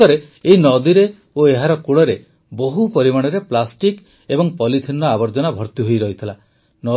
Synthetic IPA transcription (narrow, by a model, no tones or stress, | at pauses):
ɔɾe | eɦinɔd̪iɾe | oeɦaɾɔkuɭɔɾe | boɦupɔɾimaɽ̃ɔɾeplasʈik | ebɔŋpɔlit̪ʰinːɔabɔɾd͡ʒɔnabʱɔɾt̪iɦojɾɔɦit̪ʰila | nɔ